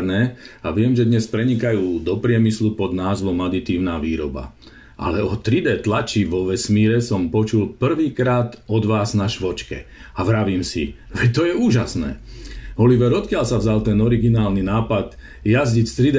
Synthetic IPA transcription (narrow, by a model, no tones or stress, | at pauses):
ɾnɛːaʋɪɛmʒɛd̪ɲɛspɾɛɲikajuːd̪ɔpɾɪɛmislupɔd̪naːzʋɔmad̪it̪iːʊnaːʋiːɾɔba̰ | ʔa̰lɛɔt̪ɾid̪ɛːt̪lat͡ʃiʋɔʋɛsmiːɾɛsɔmpɔt͡ʃulpr̩ʋiːkɾaːt̪ɔd̪ʋaːznaʃʋɔt͡ʃkɛ̰aʋɾaʋiːmsḭʋɛt̪ɔjɛuːʒasnɛ̰ːɔliʋɛɾɔt̪kɪalsavzalt̪ɛnɔɾiɡinaːlninaːpad̪ | jazɟicst̪ɾid̪